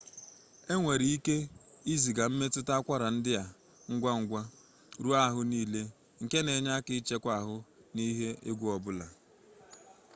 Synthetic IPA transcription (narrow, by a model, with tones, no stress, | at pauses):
e˦ŋʷe˨ɾi˨i˦ke˦i˦zi˨ɡa˨m̩˦me˦tʊ˦ta˦kʷa˦ɾa˨n̩˦dɪ˦ja˨ | ŋ̩˦ɡʷa˦ŋ̩˦ɡʷa˦ | ɾu˦a˦˨ɦʊ˦niː˦le˦ | ŋ̩˨ke˦ne˨ɲa˦kɪ˦t͡ʃe˦kʷa˨ɦʊ˦ni˦ɦe˦e˦ɡʷu˦ɔ˨bʊ˦la˨